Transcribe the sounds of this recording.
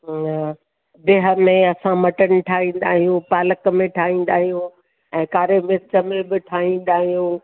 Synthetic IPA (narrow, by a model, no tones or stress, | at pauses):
beɦə̆mẽɐsãmɐʈənɪ̆ʈʰaːɦĩːn̆d̪aːɦijũpaːləkmẽʈʰaːɦĩːn̆d̪aːɦijũ | ɛ̃ːkaːɾemɪt͡ɕə̆mẽbɪʈʰaːɦĩːn̆d̪aːɦijũː